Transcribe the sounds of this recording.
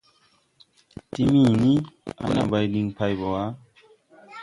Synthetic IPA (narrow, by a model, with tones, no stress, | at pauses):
ti˦mĩ˦˨nĩ˦a̰˨˦na̰˨ba˧jli˧ŋpa˧jbɔ˨a˨˦